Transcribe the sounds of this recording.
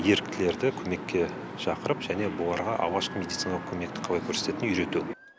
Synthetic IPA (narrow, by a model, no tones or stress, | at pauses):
je̞ɾɪk̚t̪ɪle̞ɾd̪ɪkʲʰɵme̞kʲːe̞ | ʃɑqəɾəpʒæne̞bolˠɑɾʁɑʔɑ̰lˠʁɑʃqəme̞d̪it̪sɨinɑlˠəq̚kʲʰɵme̞kt̪ɪ̥qʰɑlˠɑjkʲʰɵɾset̪e̞t̪ɪnʏjɾe̞t̪u